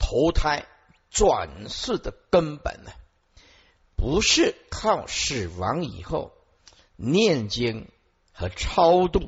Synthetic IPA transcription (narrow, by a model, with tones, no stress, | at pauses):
t̪ʰo˧˥ʊt̪ʰa˥ɪ | t͡swa̰˨˩nsɹ̩˥˩d̪ə˩kə˥npə̰˨˩nnə̰˦ | pu˧˥ʂɻ̩˥˩kʰɑ˥˩ʊʂɻ̩˨˩wɑ˧˥ŋḭ˨˩xo˥˩ʊ | njɛ˥˩nt͡ɕi˥n | xɤ˧˥ʈ͡ʂʰɑ˥ʊt̪u˥˩